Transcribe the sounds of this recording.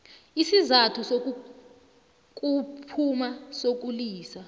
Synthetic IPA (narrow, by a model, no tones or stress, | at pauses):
isizatʰusok̬u | k̬ʼupʰumasok̬uliːsa